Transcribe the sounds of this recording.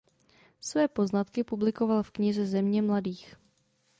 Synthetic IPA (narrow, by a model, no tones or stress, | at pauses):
svɛːpo̞znat̪kɪpublɪko̞valfkɲɪzɛzɛmɲɛmladiːx